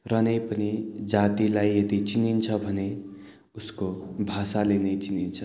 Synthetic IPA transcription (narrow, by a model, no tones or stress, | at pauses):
rʌnepʌnid͡zat̪ilajet̪it͡sinint͡sʰʌbʱʌne | uskobʱasalenet͡sinint͡sʰʌ